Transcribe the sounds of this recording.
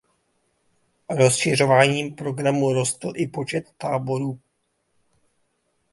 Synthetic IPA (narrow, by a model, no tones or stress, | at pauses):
ɾo̞sʃɪro̞vaːɲiːmpɾo̞ɡɾamuɾo̞st̪l̩ʔɪpo̞t͡ʃɛt̪ːaːbo̞ɾuː